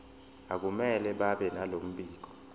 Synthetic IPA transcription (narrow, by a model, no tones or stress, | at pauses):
ak̬umɛlɛɓaɓɛnalom̩ɓiːk̬ɔ̥